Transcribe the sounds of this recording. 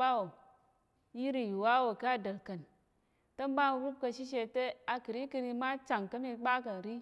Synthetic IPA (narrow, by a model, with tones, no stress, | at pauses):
a˦wo˨ | ji˦ɾi˨ju˨wa˦wo˨ka˦a˦˨də˨ɾkɐ˨n | tə˦mba˦n˦ɾu˦b̚kɐ˧ʃi˦ʃ̬e˧te˦a˨kɨ˨ɾi˦ki˧ɾi˧ma˦t͡ʃa˨ŋkə˦mi˧k͡pa˦kə˨n˨ɾi˦